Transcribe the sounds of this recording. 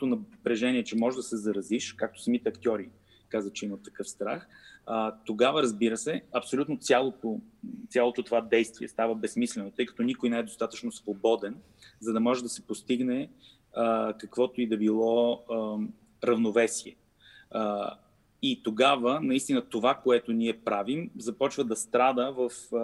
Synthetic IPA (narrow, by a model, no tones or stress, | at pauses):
t̪onɐpɾɛʒɛniɛt͡ʃɛmɔʒɛd̪ɐsɛzɐɾɐziʃkak̚t̪o̥sɐmit̪ɛɐkt̪ʲjɔɾi | kazət͡ʃɛimət̪ːɐkɤfst̪ɾaxət̪oɡavəɾəzbiɾəsɛɐpsolʲut̪not̪sʲjalˠot̪ot̪sjalˠot̪ot̪ovad̪ɛjst̪viɛ̰st̪avəbɛsmislɛnot̪ɤjkɐ̥t̪ɔnʲikʊjnɛɛd̪ost̪at̪ət͡ʃnosvobɔd̪ɛn | zɐd̪ɐmɔʒɛd̪ɐsɛ̥post̪iɡnɛ | kɐkvɔt̪oid̪ɐbilˠɔ | ɾɐvnovɛsiɛ | it̪oɡavənɐist̪inət̪ovakoɛt̪oniɛpɾavimzɐpɔt͡ʃvəd̪ɐst̪ɾad̪əvəf